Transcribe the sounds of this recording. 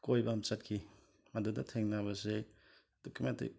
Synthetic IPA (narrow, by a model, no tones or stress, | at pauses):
kojbɐmt͡ʃɐt̚kʰi | mɐdudɐtʰeŋnaβɐse | d̥okʰumentḭ